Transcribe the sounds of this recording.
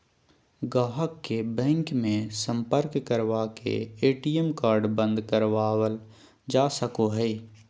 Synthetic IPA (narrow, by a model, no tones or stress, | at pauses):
ɡaːɦəkːebɛ̃ːŋkmẽsə̃mpəɾkːəɾʋaːkḛeːʈiːemkaːɾɖbə̃nd̪kəɾʋaːwəl | d͡ʒaːsəkoɦɛː